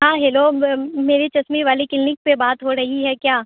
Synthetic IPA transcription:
ɦãːɦeːlomeːɾit͡ʃɐsmiʋaːlikɪlnɪk̚pebaːt̪ɦoɾɐɦiɦɛkjaː

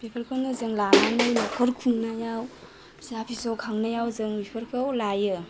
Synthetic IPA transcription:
pʰipʰɐɾkʰawnɐzɯŋlananɯjlɔkʰəɾkʰuŋnajaw | sapʰisɔkʰaŋnajawzɯŋwipʰəɾkʰawlajɯ

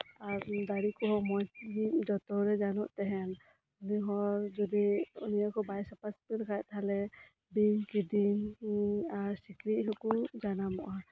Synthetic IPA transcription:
aɾd̪aɽikɔɦɔmɔjtid͡ʒɔt̪ɔɾɛd͡ʒanɔʔt̪ɛɦɛn | uniɦɔɾd͡ʒɔd̪iṵnijakɔbajsapaspiɾkʰajt̪ʰalɛ | biŋkid̪in | aɾsikɾiʔɦɔkud͡ʒanamɔʔa

